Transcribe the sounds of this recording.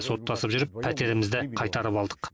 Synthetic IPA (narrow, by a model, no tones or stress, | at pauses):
so̞t̪ːɑsəpʒʏɾɪpʰːæt̪e̞ɾɪmɪzd̪ɪqʰɑjt̪ɑɾəpɑlˠd̪əq